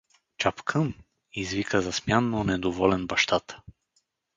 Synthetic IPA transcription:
t͡ʃapkʰəm | izvikəzɐsmjanːonɛd̪ovɔlɛnbɐʃt̪at̪

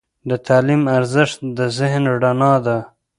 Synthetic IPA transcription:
d̪ət̪ʰɑlimaɾzɪʂt̪d̪əzɪɦnɖanɑd̪a

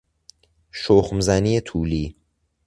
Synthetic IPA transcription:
ʃoxmzæniːet̪ʰuːliː

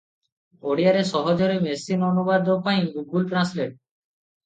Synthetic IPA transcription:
oɽiaɾeʃɔɦod͡ʑoɾemesinonubad̪opajɡuɡulʈɾansleʈ̚

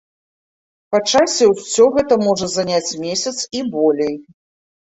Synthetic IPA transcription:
pat͡ʂasʲɛwsʲɔɣɛt̪ɐmɔʐɐzanʲat͡sʲmʲesʲɐt̪sibɔlʲej

